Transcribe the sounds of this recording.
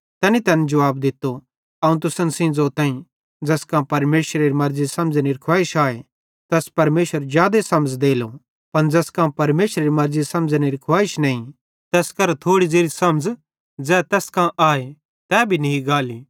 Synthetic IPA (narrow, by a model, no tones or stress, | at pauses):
t̪ɛːnit̪ɛːnɛd͡ʒɐʋaːbd̪ɪt̪ːo | ɐũt̪ʊsənsɪ̃ːd͡zot̪ãːĩ | d͡zɛːskãːpɐɾmeːʃɾeɾimɐɾd͡zisɐ̃md͡znɪɾɐkʰʋaːɪʃaːe | t̪ɛːspɐɾmeːʃəɾzjaːd̪esɐməd͡zd̪eːlo | pɐnd͡zɛskãːpɐɾmeːʃɾeɾimɐɾzisɐ̃md͡zniɾkʰʋaːɪʃnɐːĩ | t̪ɛːskɐɾt̪ʰoːɽid͡zeːɾisɐmd͡z | d͡zɛːt̪ɛːskãʔaːe | t̪ɛːbʱiniiɡaːliː